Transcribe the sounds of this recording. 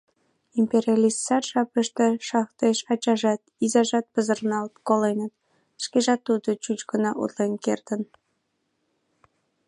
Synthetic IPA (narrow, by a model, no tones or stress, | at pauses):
impʲeɾʲiɑlʲist̪sɑrʃɑpəʃt̪eʃɑχt̪eʃɑt͡ɕɑʒɑt̪̚izɑʒɑt̪̚pəzərnɑlt̪kolenət̪ | ʃkeʒɑt̪ːud̪ot͡ɕut͡ɕkənɑʔṵt̪lenkert̪ən